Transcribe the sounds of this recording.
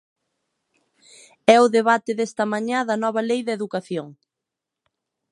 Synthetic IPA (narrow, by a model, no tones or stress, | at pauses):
ɛʊðeβat̪ɪðɛst̪ɐmaɲãðɐnɔβɐlejðɐeðukaθjoŋ